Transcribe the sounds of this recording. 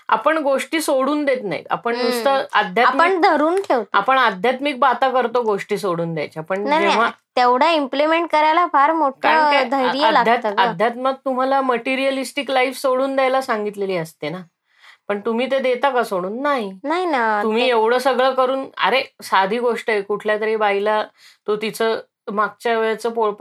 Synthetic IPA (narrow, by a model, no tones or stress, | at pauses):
a̰pəɳɡoʂʈiːsoɽuːnd̪et̪na̰ɦḭa̰pəɳnust̪əəd̪ʱjataməɳd̪ʱəɾuːnʈʰeʋt̪apəɳad̪ʱjat̪mik̚bat̪akəɾt̪oɡoʂʈiːsoɽuːnd̪ja̰jt͡ɕjapəɳnad͡ʑeʋ̤at̪eʋɽ̤aimplimeɳʈ̚kəɾajlafaɾmoʈʰəaɾaed̪ʱəjɾijalaɡ̪ʱjat̪ad̪ʱjat̪maɡ̚t̪um̤alaməʈiɾijəlisʈiklaifsoɽuːnd̪jajlasaŋɡit̪leliːəst̪ena | pəɳt̪um̤iːt̪̬ed̪et̪akasoɽuːnːaɦinaɦinaum̤iːeʋɽ̤əːsəɡɭəːkəɾuːnə̰ɾesad̪ʱiːɡoʂʈəekuʈʰljat̪əɾibaɦilat̪ot̪it͡sə | maɡ̚t͡ɕaʋɭat͡səːpoɭp